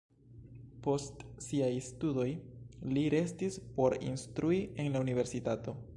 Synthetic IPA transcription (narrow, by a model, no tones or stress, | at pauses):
po̞stsiajstudo̞jliɾe̞stispo̞ɾḭnstɾuie̞nlaunive̞ɾsitato̞